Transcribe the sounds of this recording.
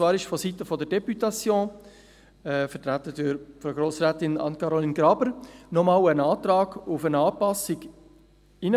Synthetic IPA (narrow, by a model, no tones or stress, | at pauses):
t͡svɑːɾɪʃfɔsitəfɔdɛɾdɛpytɑt͡sjõː | ɛfɛtɾæt̪ədyɾfɔɾɡɾoːsɾæːtɪnɑ̰nkɑɾolinɡɾɑbəɾnɔmɑːwənɑːt̪ɾɑːɡ̥ufənɑːpɑsɪɡ | ɪnə